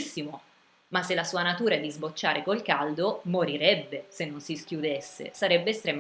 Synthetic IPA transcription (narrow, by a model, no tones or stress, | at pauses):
sːimo | masːelːasuːanat̪uːɾad̪izbot͡ʃːaːɾʔekolkald̪omoɾiɾɛbːesenːonsiskʲjud̪esːḛsaɾɛbːeːst̪ɾɛːm